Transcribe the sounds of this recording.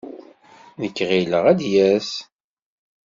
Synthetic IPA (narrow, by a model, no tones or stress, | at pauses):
nəkːʁiləʁæd̪jæs